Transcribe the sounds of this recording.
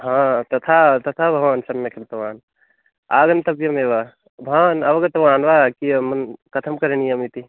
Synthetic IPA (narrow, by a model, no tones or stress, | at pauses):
ɦãt̪ɐt̪ʰat̪ɐt̪ʰabʱɐʋansɐmːekʰɐɾt̪ɐʋaːn | aːɡɐnt̪ɐpjɐmeʋa | bʱanɐbɐɡɐt̪ɐʋaːnʋakimɐnkɐt̪ʰɐmkɐɾenijɐmit̪i